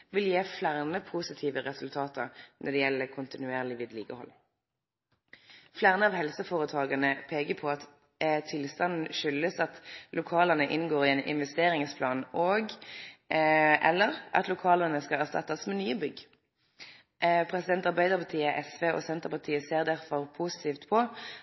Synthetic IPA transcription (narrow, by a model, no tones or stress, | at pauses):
ʋɪljeːflæʁnəpʰusɪt̪ʰiːʋəʁɛsʉlt̪ʰɑːt̪əɾnʔɔd̪ɛjɛlːəkʰʊnt̪ɪnʉeːʁlɪʋɪːd̪liːkəhɔ̰l | flæʁnəɑʋhɛlsəfoːʁət̪ʰɑːɡɑnəpʰeːkəpʰɔɑt̪ | t̪ʰːɪlst̪ɑnn̩ʃʏləsɑt̪lʔʊkʰɑːlənəʔɪnɡoːʁɪɛːnʔɪ̰nʋɛst̪eːʁɪŋspʰlɑːnoːɡ | ʔɛ̰lːəʁʔɑ̰t̪lʊkʰɑːlənəskɑæʁst̪ɑ̰t̪ːɑsmɛnyːəbʏɡ | ʔpʰʁɛsɪd̪ɛnt̪ɑʁbæɪd̪əʁpʰɑt̪ʰiːəʔɛsʋeːɔ̰sɛnt̪əʁpɑt̪ʰiːəseːʁd̪æʁfɔʁpʰusɪ̥t̪ʰiːft̪pʰɔ